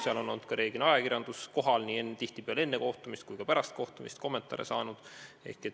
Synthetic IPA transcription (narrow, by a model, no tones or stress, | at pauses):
seɑlo̞nːond̪̚kɑɾʔe̞ːɡ̥inɑjɑkirjɑnd̪usko̞ɦɑlnie̞nt̪iht̪ipeɑle̞nːe̞ko̞ht̪umist̪̚kujkɑpæɾɑst̪̚ko̞ht̪umist̪̚ko̞mːe̞nt̪ˑɑ̰ɾḛsɑːnud̪̥e̞̰hket̪